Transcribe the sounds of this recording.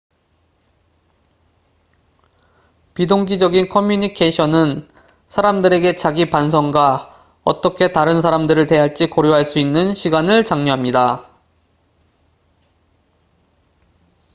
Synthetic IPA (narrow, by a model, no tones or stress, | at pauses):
pidoŋɡid͡ʑʌɡinkʰʌmjuɲikʰeɕʰʌnɯn | sʰaɾamdɯɾe̞ɡe̞t͡ɕaɡipansʰʌŋɡwa | ʌ̰t͈ʌkʰe̞taɾɯnsʰaɾamdɯɾɯɭte̞ɦaɭt͡ɕ͈ikoɾjoɦaɭs͈uinːɯnɕʰiɡanɯɭt͡ɕaŋɲoɦamɲida